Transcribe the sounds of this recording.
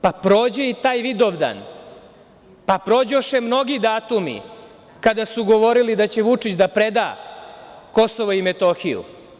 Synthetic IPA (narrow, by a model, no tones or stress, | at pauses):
papɾoːd͡ʑeit̪aːjʋid̪o̞ʋd̪a̰n | papɾo̞ːd͡ʑoʃemno̞ɡid̪aːt̪umḭ | kad̪asuɡo̞ʋo̞ɾilid̪at͡ɕe̞ʋut͡ʂit͡ɕd̪apɾed̪a̰ː | ko̞so̞ʋoimet̪o̞ːxijṵ